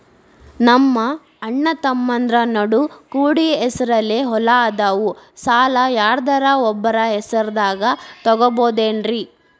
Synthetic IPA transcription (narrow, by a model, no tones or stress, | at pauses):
nɐmːɐː | ɳːɐt̪ɐmːɐnd̪ɾɐnɐɽukuːɽiɛsɐɾɐleɦɔlɐːd̪aːʋusaːlɐjaːɾd̪ɐɾɐɔbːɐɾɐɛsɐɾd̪aːɡɐt̪ɔɡɔboːd̪eːnɾi